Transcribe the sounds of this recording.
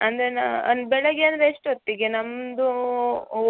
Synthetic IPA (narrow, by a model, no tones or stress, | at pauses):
ɐnd̪ɾenaɐnbɛɭɐɡeɐnd̪ɾeʂʈot̪ːiɡenɐmd̪u